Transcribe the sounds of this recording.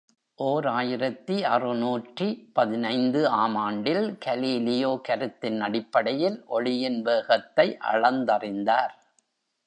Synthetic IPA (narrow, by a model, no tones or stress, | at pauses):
ʔoːɾaːjɪɾɐt̪ːiɐrɯnuːʈripɐðɪnɐɪnd̪ɯaːmaːɳɖɪlkɐliːlɪjoːkɐɾɯt̪ːɪnːɐɽɪpːɐɽɐjɪlʔɔɭɪjɪnʋeːɣɐt̪ːɐɪʔɐ̰ɭɐnd̪ɐrɪnd̪aːɾ